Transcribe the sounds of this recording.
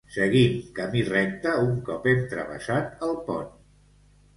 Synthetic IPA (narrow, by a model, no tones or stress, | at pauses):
səɣiŋkəmirɛk̚t̪əuŋkɔpent̪ɾə̰βə̰sat̪əlˠpɔn